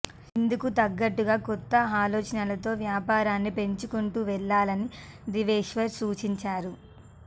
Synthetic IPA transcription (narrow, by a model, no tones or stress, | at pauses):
ind̪ukut̪ɐɡːɐʈːuɡaːkɔt̪ːɐaːloːt͡ʃɐnɐlɐt̪o̞ːʋjaːpaːɾaːnːipe̞ɲt͡ʃukuɳʈuːʋɛɭːaːlɐnid̪iʋeːʂʋɐɾsuːt͡ʃiɲt͡ʃaːɾu